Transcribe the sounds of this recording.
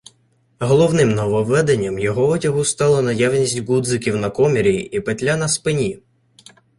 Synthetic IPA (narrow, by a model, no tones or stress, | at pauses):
ɦɔlˠɔwnɪmnɔʋɔʋɛd̪enʲːɐmjɔɦɔɔtʲɐɦʊst̪ɑlˠɐnɐjawnʲisʲtʲɡud̪zɪkʲiwnɐkɔmʲeɾʲijḭʔipetʲlʲanɐspɪnʲi